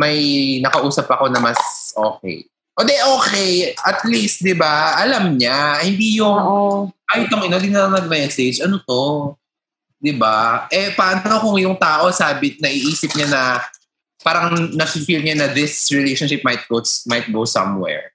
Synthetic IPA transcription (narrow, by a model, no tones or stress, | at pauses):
mɐjnɐkɐʔuːsɐpɐko̞nɐmɐsʔo̰ːkɛ̰j | ʔod̪ɛʔoːkɛjʔɐt̪list̪̚d̪ɪbaʔɐlɐmɲahɪnd̪iːjʊŋajʊt̪ɐŋɐnod̪ɪnɐnɐɡ̚mɛsed͡ʒɐnot̪o̞ | d̪ɪbaʔɛpaʔɐnnokʊŋjʊŋt̪aːʔo̞saːbɪnɐʔɪʔiːsɪp̚ɲanɐ | paːɾɐŋnɐkɪŋkilɲanɐðɪsɹɛlejʃonʃɪp̚mɐjt̪̚kot̪smɐjt̪̚ɡowsɐ̰mwɛ̰ɹ